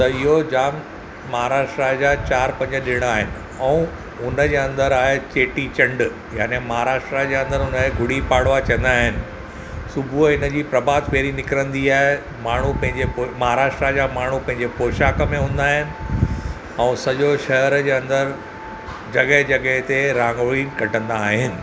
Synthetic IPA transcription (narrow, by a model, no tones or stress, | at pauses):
t̪ɐɪɦod͡ʑaːmː | ɐɦaːɾaːʃʈɾad͡ʑat͡ɕaːɾpɐ̃ɲd͡ʑəɗɪɽ̃aːɦɪnɪ̆ | ɛ̃ũ | ʊnəd͡ʑeːɐ̃nd̪əɾaːɦet͡ɕeːʈit͡ɕɐ̃ɳɖ | jaːnemɐɦaɾaːʃʈɾad͡ʑeːɐ̃nd̪əɾʊnəɡʱʊɽ̤ipaːɽʋat͡ɕɐ̃ə̃nd̪aːɦɪnɪ̆ | sʊbʱuɪnəd͡ʑiːpɾɐbaːd̪peːɾinɪkɾə̃nd̪iaːɦe | maːɳ̤upɐ̃ɦɪ̃ɲd͡ʑepomɐɦaːɾaːʃʈɾad͡ʑamaːɳ̤upɐ̃ɦɪ̃ɲd͡ʑepoːʃaːkə̆mẽɦũːn̆d̪aːɦɪnɪ̆ | ɛ̃ːsɐʄoʃɐɦɾd͡ʑeːɐ̃nd̪əɾ | d͡ʑɐɠəɦd͡ʑɐɠəɦt̪eɾãːŋɡʋəɭiːnkɐʈə̃nd̪aːɦɪnɪ̆